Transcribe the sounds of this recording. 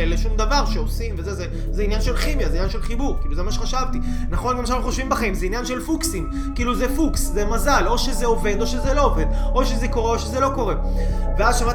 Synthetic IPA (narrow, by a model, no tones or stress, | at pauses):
leʃumd̪avaʁʃeosimvezeze | zeinjanʃe̞lχimjazeinjanʃelχibuʁkiːluzemaʃeχaʃavt̪i | naχo̞nɡamanauχoʃvimbaχaimzeinjanʃe̞lfuksim | kiiːluzefukszemazalo̞ʃe̞zeove̞d̪o̞ʃe̞zelo̞ove̞d̪ʔo̞ʃe̞zeko̞ʁeo̞ʃezelo̞ko̞ʁe̞veaʃava